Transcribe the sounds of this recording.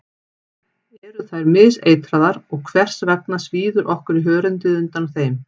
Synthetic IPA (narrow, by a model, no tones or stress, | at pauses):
ɛɾʏθajɾmɪðseːjt̪ɾaðaɾɔɣkʰvɛr̥svɛk̚nasviːðʏɾʔɔhkʏɾiɦœːɾʏnt̪ɪðʏnt̪anθejm